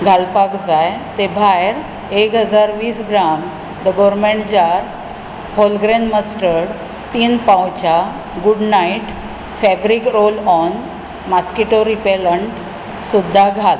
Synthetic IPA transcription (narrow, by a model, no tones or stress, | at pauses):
ɡʱalpakd͡zajt̪ebʱajɾ | ekɦəd͡zaɾʋiːsɡɾam | d̪əɡɔɾmeɳʈd͡ʑaɾ | ɦolɡɾẽnɖməsʈəɽ | t̪iːnpãwt͡ɕa | ɡuɖnaiʈ | fɛbɾikɾolɔn | maskiʈoɾipeləɳʈ | sud̪ʱːaɡʱal